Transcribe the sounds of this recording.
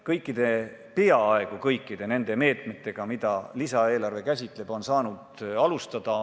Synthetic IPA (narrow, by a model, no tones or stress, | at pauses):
kɤjkːˑid̪̥e̞ | peɑɑe̞ɡ̥ukɤjkˑːid̪̥e̞ne̞nd̪̥e̞me̞ːt̪me̞t̪ːˑe̞ɡ̥ɑmid̪̥ɑlisɑe̞ːlɑrve̞kæs̬ʲit̪ˑle̞b̥o̞nsɑːnud̪ɑlust̪ɑd̪̥ɑ